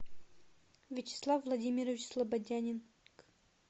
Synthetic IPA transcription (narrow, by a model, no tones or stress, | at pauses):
vʲɪt͡ɕɪ̥slˠafvlˠɐdʲimʲɪɾəvʲɪt͡ɕslˠɐbɐdʲanʲɪn | k